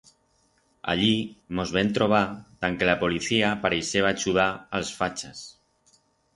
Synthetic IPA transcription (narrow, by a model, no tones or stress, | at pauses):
a̰ʎimozβɛnt̪ɾoβ̞at̪aŋkelapoliθiapaɾeseβaʒuð̞aːlˠsfat͡ʃəs